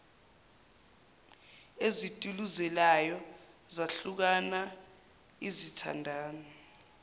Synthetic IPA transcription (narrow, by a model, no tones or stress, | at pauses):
ezitʼuluzɛlajɔ | zaɬuk̬ana | izitʰa̰ndʱaːnɔ